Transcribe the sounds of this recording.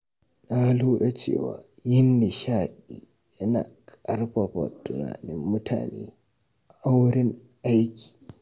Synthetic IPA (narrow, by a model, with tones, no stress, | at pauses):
na˦luː˦ɗa˨t͡ʃḛː˦˨wa̰ː˨jɪ˦nːɪ˨ʃaː˦˨ɗiː˨ | jɪ˦naː˨kʼɐ˦rɸa˨ɸa̰˨tʊ˨na̰ː˨nɪ˦mːʊ˦tʰa̰ː˨neː˦ | ʔa˦wɾɪ˦ŋ | ʔa˦jkʲi̥ː˨